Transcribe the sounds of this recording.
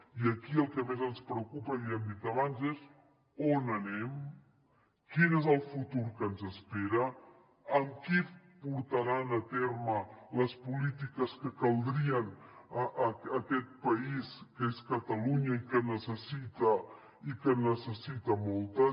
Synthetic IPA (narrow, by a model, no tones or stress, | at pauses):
iəkiəlˠkəmezənspɾəwkupəiəmd̪it̪əβanzez | onənɛm | kinezəlˠfut̪uɾkənzəspeɾəː | mki | puɾt̪əɾanət̪eɾmələspulit̪ikəskəkəlˠd̪ɾiənəʔəkɛt̪̚pəiskəeskət̪əluɲəikənəsəsit̪ə | ikənəsəsit̪əmɔlˠt̪ə